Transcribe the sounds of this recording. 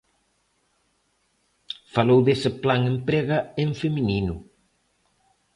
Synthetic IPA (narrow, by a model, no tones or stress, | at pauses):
falowðesɪplaŋempɾeɣɐeɱfemininʊ